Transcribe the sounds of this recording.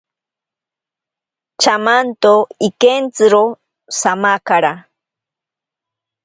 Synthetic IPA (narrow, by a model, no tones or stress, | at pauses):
t͡ʃamant̪oikent͡sɨɾo | samakaɾa